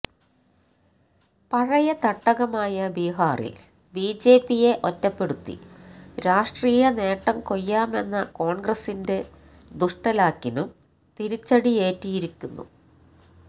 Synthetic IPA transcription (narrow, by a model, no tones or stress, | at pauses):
pɐɻɐjɐt̪ɐʈːɐɣɐmaːjɐbiːɦaːrḭl | biːd͡ʑe̞ːpːije̞ʔotːɐpːe̞ɽut̪ːḭɾaːʂʈriːjɐne̞ːʈːɐmko̞jːaːme̞nːɐko̞ːɳɡrɐsinde̞ | d̪uʂʈɐlaːkːinum | t̪iɾit͡ɕːɐɽie̞ːtːijiɾikʲːunːṵ